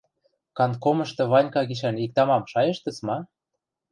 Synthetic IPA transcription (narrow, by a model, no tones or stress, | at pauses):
kɑnt̪komɤ̆ʃt̪ɤ̆βɑnʲkɑɡiʃ̬ænik̚t̪ɑmɑmʃɑjĕʃt̪ə̆t͡smɑ